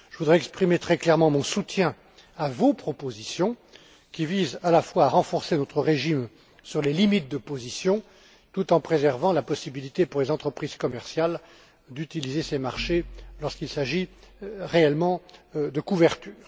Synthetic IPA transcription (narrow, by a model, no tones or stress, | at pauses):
ʒ̥əvud̪ʁɛɛkspχimet̪χɛklɛʁmɑ̃mɔ̃sut̪jɛ̃ | avopχɔpozisjɔ̃ | kʲivizalafwaːʁɑ̃fɔʁsenɔt̪χəʁeʒim | syʁlelimit̪̚d̪əpozisjɔ̃ | t̪ut̪ɑ̃pχezɛʁvɑ̃lapɔsibilit̪epuʁlezɑ̃t̪χəpχiz̥kɔmɛʁsjal | d̪yt̪ilizesemaʁʃelɔʁskilsaʒiʁeɛlmɑ̃d̪əkuvɛʁt̪yːʁ